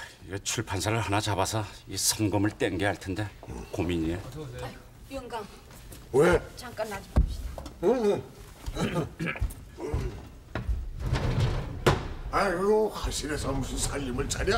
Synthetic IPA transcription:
iet͡ɕʰuɭpʰansʰaɾɯɭɦanat͡ɕabasʰʌisʰʌmɡɯmɯɭt͈eŋɡeɦaɭtʰende̞komiɲie | jʌŋɡaŋ | wet͡ɕaŋk͈anːad͡ʑibʌɕid̥a | akɯɡohaɕʰiɾesʰʌmusʰɯnsʰaʎːimɯɭt͡ɕaɾa

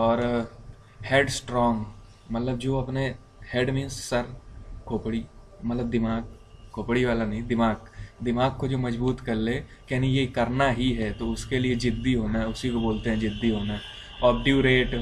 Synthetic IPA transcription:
ɔːɾ | heːɖsʈɾɔːŋɡ | mɐt̪ləbd͡ʒoːɐpne | heːɖmĩːnssɐɾkʰoːpɽi | mɐt̪ləb̚d̪ɪmaːɡ̚kʰːoːpɽiʋaːlanɐɦĩd̪ɪmaːɡd̪ɪmaːɡ̚kod͡ʒoːmɐd͡ʒbuːt̪kɐɾlekɛɦnijekɐɾnaɦiɦɛt̪oʊskelied͡ʒɪd̪ːiɦoːnaɦʊsikoboːlt̪eɦɛ̃d͡ʒɪd̪ːiɦoːnaɦɛ | ɔːp̚ɖjuːɾeːʈ

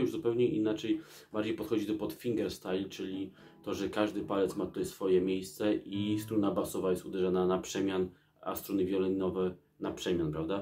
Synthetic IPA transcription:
juʐzupɛwɲɛʔinat͡ʂɛj | baɾd͡ʑejpɔt̪xɔd͡ʑid̪ɔpɔt̪fʲiŋɡɛɾst̪ajlt͡ʂɘlʲi | t̪ɔʐɛkaʐd̪ɘpalɛt̪smat̪u̥t̪ɛsfɔjɛmʲejst̪sɛʔist̪ɾunabasɔvajɛst̪ud̪ɛʐananapʂɛmʲjan | a̰st̪ɾunɨvʲjɔlɛnʲɔvɛ | napʂɛmʲjanpɾavd̪a

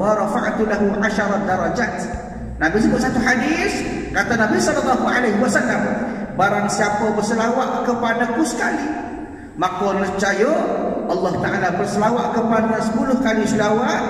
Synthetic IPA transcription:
waɾˤɑfaʕt̪ulaɦuʕaʃɑɾˤɑd̪ɑɾˤɑd͡ʒaːt̪ | nabis̬ibaʔsat̪uħadis | kat̪anabisɔlɑlːɑɦuʕalajɦiwasalːam | baɾaŋsiapabərsəlawaʔkəpadakusə̥kali | makɔləht͡ʃajoʔɑlˠːɑht̪aʔalabərsəlawaʔkəpadasə̥pulʊhkalisulawaʔ̪̚

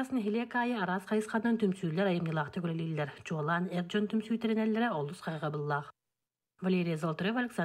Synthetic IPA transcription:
asnənɦʲelʲekaːjəɑɾɑsqʰɑjɯsqɑnːɯnt̪ʰymsyːleɾɑjɯmjɯlˠɑqt̪ʰyɡølelʲilʲːeɾd͡ʒolˠɑnerd͡ʒont̪ʰymsyːt̪eɾenelʲːeɾɪolˠusqʰɑjʁɑbɯlˠːɑq | vɐlʲeɾʲijazolˠt̪ɾʲevalʲeksa

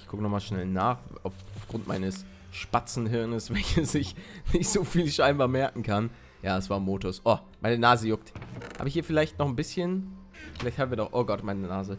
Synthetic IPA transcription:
ɪçɡ̥ʊkənɔχmaːlʃnɛlnaːχaʊffɡ̥ʁʊnt̚ma̰ɪnəs | ʃpat͡sn̩ɦɪɐnəsv̥ɛlçəsɪçnɪçtz̥oːfiːlʃaɪnbaːɐmɛɐkŋ̩kʰan | jaːsv̥aːɐmoːtʊsʔoːmaɪnənaːzəjʊk̚tha̰ːbəɪçhiːɐfɪlaɪçtnɔχn̩bɪsçən | fɪlaɪçthaːm̩viːɐdɔχʔoːɡɔtmaɪnənaːzə

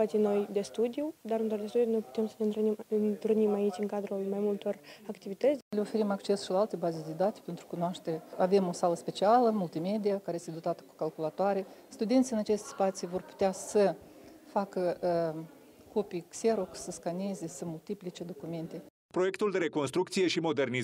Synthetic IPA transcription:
att͡ʃ̪ino̞jd̪e̞st̪ud̪ijud̪aɾɨnt̪ot̪d̪esudno̞jpu̥t̪emsəneniɨnt̪ɾnimait͡ʃʲɨŋkad̪ɾulmajmult̪o̞rakt̪ivit̪ət̪sʲle̞o̞fe̞ɾimakt͡ʃe̞sʃilaalt̪e̞bazed̪e̞d̪at̪pent̪ɾukunoaʃt̪eɾeave̞mo̞saləspe̞t͡ʃialəmult̪ime̞d̪iakaɾest̪ʲeo̞t̪at̪ə̥ku̥kalkulat̪oaɾest̪ud̪e̞nt̪ʲɨnat͡ʃe̞st̪espat̪sijvo̞rpu̥t̪easə | fakə | ko̞pijkse̞ɾoksəskane̞ze̞səmult̪iplit͡ʃe̞d̪o̞kume̞nt̪e̞ | pɾo̞je̞kt̪uld̪e̞ɾe̞ko̞nst̪ɾukt̪sije̞ʃimo̞d̪e̞rni

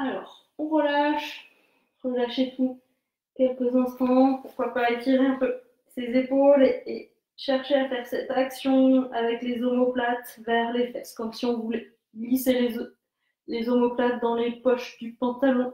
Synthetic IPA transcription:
alɔːʁ | ɔ̃ʁəlaʃ | ʁəlaʃet̪u | kʲɛlkəzɛ̃st̪ɑ̃puʁkwapaak̪iʁeɛ̃pø | sezepole | ʃɛʁʃeafɛʁsɛt̪aksjɔ̃avɛklezomoplat̪vɛʁlefɛskɔmsiɔ̃vulɛ | ɡliselez | lezomɔplat̪̚d̪ɑ̃lepɔʃd̪ypɑ̃t̪alɔ̃

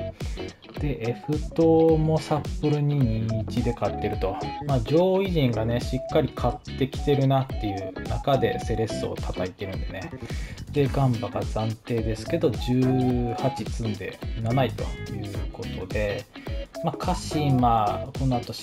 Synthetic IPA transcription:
d̪̥e̞ʔeɸɯ̟t̪o̞mo̞sapːɯɾɯ̟ɲ̟iɲːt͡ɕid̪e̞kat̪ːe̞ɾɯ̟t̪o̞maːd͡ʑo̞ːiʑĩŋɡane̞ɕikːaɾʲikʰat̪ːe̞kʲi̥t̪e̞ɾɯ̟nat̪ːe̞jɯ̟nakad̪e̞se̞ɾe̞sɨo̞̰t̪ʰat̪ait̪e̞ɾɯ̟̃nd̪ene̞d̪̥e̞ɡãmbaɡad͡zãnt̪e̞ːd̪e̞sɨ̥ke̞d̪o̞ʑɨːhat͡ɕit͡sɨ̃nd̪e̞̰nanait̪o̞jɯ̟ːkʰo̞t̪o̞d̪e̞ | makʰaɕimako̞noat̪o̞

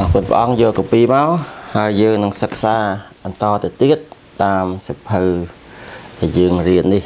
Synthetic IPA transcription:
ʔɑkʊ̆ənpə̰̆ʔɑŋjoːlkɑpiːmaɔhaəjːəːŋnɨŋsək̚saːɓɑnt̪ɑːt̪at̪iət̪̚ː | aːmsipʰəl | ɗajəːŋriənːih

